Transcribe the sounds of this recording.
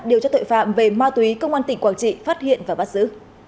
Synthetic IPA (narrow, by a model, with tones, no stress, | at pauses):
ɗi˨˩əwt͡ɕɔ˧t̪o̰˧˨jfa̰ː˧˨mve˨˩maː˧t̪wi˨˦kə˧wŋ͡mʔaː˧nt̪ï˧˩ŋkwaː˧˩t͡ɕḭ˧˨faː˦˥t̚hḭ˧˨ənvaː˨˩ɓaː˦˥t̚sɨ̰˧˥